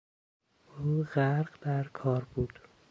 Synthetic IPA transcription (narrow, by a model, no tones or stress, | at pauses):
ʔuːɢæɾɢd̪æɾkʰɒːɾbuːd̪̥